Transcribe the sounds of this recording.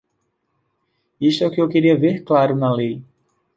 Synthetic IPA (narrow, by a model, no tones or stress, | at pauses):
ist̪ʊɛʊkɪewkeɾiɐveɾklaɾʊnɐlej